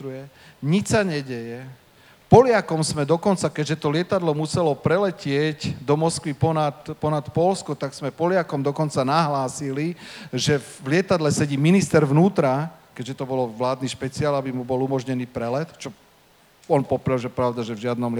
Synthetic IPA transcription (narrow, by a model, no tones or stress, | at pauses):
ɾujɛɲit͡ʃsaɲɛɟɛjɛ | pɔlɪakɔmsmɛd̪ɔkɔnt͡sakɛɟʒɛt̪ɔlɪɛt̪ad̪lɔmusɛlɔpɾɛlɛcɪɛɟd̪ɔmɔskʋipɔat̪pɔnat̪pɔlskɔt̪aɡsmɛpɔlɪakɔmd̪ɔkɔnt͡sanaɦlaːsiliʒɛvlɪɛt̪ad̪lɛsɛɟiminist̪ɛɾʋnuːt̪ɾakɛɟʒɛt̪ɔbɔlɔʋlaːd̪niʃpɛt͡siaːlabimubɔlumɔʒɲɛniːpɾɛlɛt̪t͡ʃɔ | ɔnpɔpɾawʒɛpɾaʊd̪aʒɛvʒɪad̪nɔm